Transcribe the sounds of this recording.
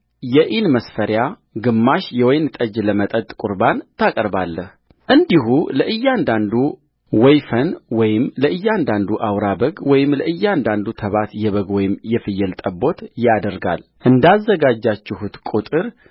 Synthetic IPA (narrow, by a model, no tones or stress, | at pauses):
jɛʔinməsfəɾja | ɡɨmːaʃjɛwɔjnt̪ʼəd͡ʒləmət̪ʼət̪ʼkʼuɾbant̪ʰakʼəɾbalːəh | ʔɨnd̪iɦuləʔɨjːand̪and̪u | wɔjfənwɔjɪmləʔɨjːand̪and̪uʔawɾabəɡwɔjɪmləʔɨjːand̪and̪ut̪ʰəβat̪jɛβəɡwɔjɪmːjɛfɨjːɛlt̪ʼəbo̞t̪jad̪əɾɡa̰lʔɨnd̪azːəɡad͡ʒːat͡ʃːɪhut̪kʼut̪ʼɨɾ